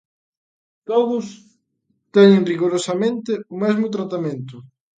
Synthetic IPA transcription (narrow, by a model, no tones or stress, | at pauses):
t̪oðʊs | t̪ɛɲɪ̃ŋriɣoɾosamẽnt̪ɪʊmɛzmʊt̪ɾat̪amẽnt̪ʊ